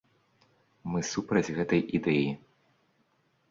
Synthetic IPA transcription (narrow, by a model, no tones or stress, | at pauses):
mɨsupɾɐd͡zʲɣɛt̪ɐjʔid̪ɛji